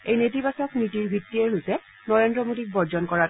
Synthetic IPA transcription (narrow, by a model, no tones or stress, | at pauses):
ejnetibasɔknitiɹbʱitːiɛɦojsɛ | nɔɹendɹɔmodik̚bɔɹzɔnkɔɹa